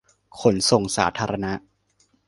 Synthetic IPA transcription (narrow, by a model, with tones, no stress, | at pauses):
kʰo˩˦nso˨˩ŋsa̰ː˩˦t̪ʰaː˧ɾʔa˧na˦˥ʔ